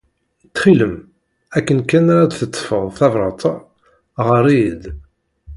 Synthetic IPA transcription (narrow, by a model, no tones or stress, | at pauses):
t̪ːχiləm | ækːənkænaɾad̪θət̪ˤːfəʁθævɾˤɑt̪ˤ | ʁəɾˤid̪